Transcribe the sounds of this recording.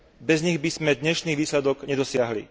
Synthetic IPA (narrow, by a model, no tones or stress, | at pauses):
bɛzɲiɣbizmɛd̪ɲɛʃniːʋiːslɛd̪ɔɡɲɛd̪ɔsɪaɦlḭ